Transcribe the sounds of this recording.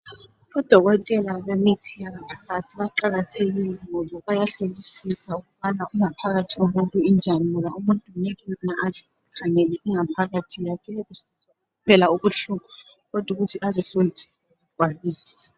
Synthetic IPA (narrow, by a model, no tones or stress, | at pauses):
ɓɔd̥ʱɔk̬ɔtʼɛlaɓenitʰijaŋapʰḁkatʰiɓaǃak̬atʰek̬ilɛɔlɔɓajaɬelisisaukuɓanaʔuŋapʰak̬atʰiumuntʼuind͡ʒʱanulaʔumuntʼunɛkinaʔazi | kʰaŋɛlɛʔiŋapʰak̬atʰijakʰɛekus | upʰɛlauk̬uɬuma | kɔd̥ʱuk̬utʰiʔazɛsolitʰi̥sauɡ̥ʱwaliːsi̥